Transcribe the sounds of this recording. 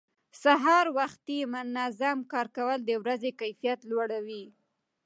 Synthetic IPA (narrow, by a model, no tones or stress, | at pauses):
saɦɑɾwaxt̪imʊnazamkɑɾkawəld̪əwɾazekajfijat̪lwaɽawi